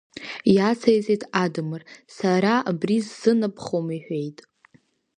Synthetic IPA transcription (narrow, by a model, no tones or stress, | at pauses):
jat͡sʰajt͡sʼetʰʼadɨmɨrsaɾaabrizːɨnɨpʰχomiħʷᶣejtʼ